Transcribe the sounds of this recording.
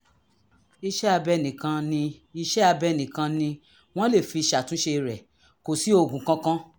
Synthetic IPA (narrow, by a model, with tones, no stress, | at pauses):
i˧ʃɛ˦a˧bɛ˧nĩ˨kã˧nĩ˧i˧ʃɛ˦a˧bɛ˧nĩ˨kã˧nĩ˧ | w̃ɔ̃˦le˦˨fi˧ʃa˨tũ˨˦ʃe˧ɾɛ˨ | ko˨si˨˦o˦˨ɡũ˨kã˦kã˦